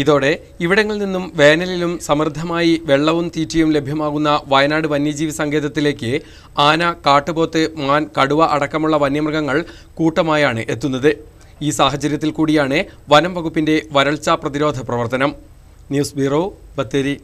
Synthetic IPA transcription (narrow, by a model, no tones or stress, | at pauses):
iðo̞ːɽe̞ | iʋiɽɐŋːɐɭninːumʋe̞ːnɐlilumsɐmrd̪ʱːɐmaːjiʋe̞ɭːɐʋumt̪iːtːɐjumle̞bʱjɐmaːɣunːɐʋɐjɐnaːɽɨʋɐnːjɐd͡ʑiːʋisɐŋɡe̞ːðɐt̪ːile̞ːkːɨ | aːnɐkaːʈːɨbo̞ːt̪ːɨmaːnkɐɽuʋɐʔɐɽɐkːɐmuɭːɐʋɐnjɐmrɐɣɐŋːɐɭ | kuːʈːɐmaːjaːɳɨʔe̞t̪ːunːɐðɨ | iːsaːɦɐt͡ɕɐɾjɐt̪ːilkuːɽijaːɳɨʋɐnɐmʋɐɣupːinde̞ʋɐɾɐɭt͡ɕaprɐðiɾo̞ːd̪ʱɐprɐʋɐrt̪ɐnɐm | njuːsbʱirobɐt̪ːeɾi